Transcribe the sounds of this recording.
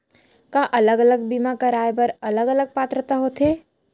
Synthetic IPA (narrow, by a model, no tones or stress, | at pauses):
kaːʔɐləɡələɡ̚bimakaɾaːjbɐɾɐləɡələɡ̚paːt̪ɾət̪aɦoːt̪eː